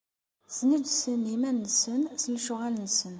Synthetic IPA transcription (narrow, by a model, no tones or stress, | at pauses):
znid̪sənːimænːsənsəlʃʊʁælnsən